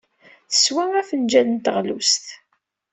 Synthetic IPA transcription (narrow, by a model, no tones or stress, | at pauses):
θə̥swææfənd͡ʒænənt̪əʁlust̪